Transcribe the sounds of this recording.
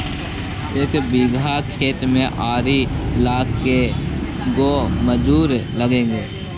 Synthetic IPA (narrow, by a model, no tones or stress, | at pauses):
ɪkbiːɡʱakʰeːt̪mẽʔaːɾilaːkkːe | ɡoːməd͡ʒuːɾləɡẽːŋɡeː